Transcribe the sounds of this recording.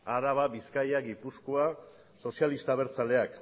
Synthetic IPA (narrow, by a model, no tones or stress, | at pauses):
aɾaβ̞aβiskajaɡipusko̞a | so̞sialist̪aβ̞e̞ɾt͡sale̞ak